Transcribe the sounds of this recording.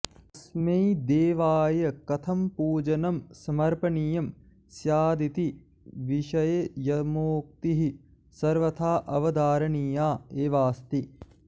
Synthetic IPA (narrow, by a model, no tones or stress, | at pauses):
ɐsmɐjd̪eːʋaːjɐkɐt̪ʰɐmpuːd͡ʒɐnɐmsɐmɐɾpɐɳijɐm | sjaːd̪it̪i | ʋiʃɐjɐjɐmoːk̚t̪iɦi | sɐɾʋɐt̪ʰaːʔɐʋɐd̪aːɾɐɳijaːeːʋaːst̪i